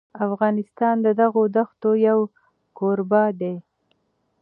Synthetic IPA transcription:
afɣɑnɪst̪ɑnd̪əd̪aɣod̪axt̪ojaw | koɾbɑd̪e

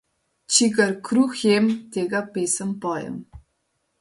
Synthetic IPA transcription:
t͡ʃʰiɡɐɾkʰɾuxjeːmt̪ʰeːɡɐpesəmpɑːjə̰m

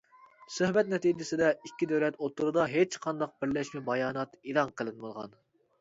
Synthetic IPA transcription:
søhbɛt̪̚nɛt̪iːd͡ʒɪsɪd̪ɛikʲːid̪æwlɛt̪ot̪ʰːuɾɨd̪ɑɦet͡ʃqʰɑnd̪ɑq̚bɪɾlɛʃmɪbɑjɑːnɑt̪ilˠɑŋqʰəlˠɨnmɨlˠʁɑ̰n

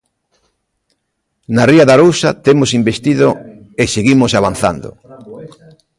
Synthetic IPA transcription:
nariaðaɾowsat̪emosimbest̪iðo | eseɣimosaβan̟θa̰nd̪o̰

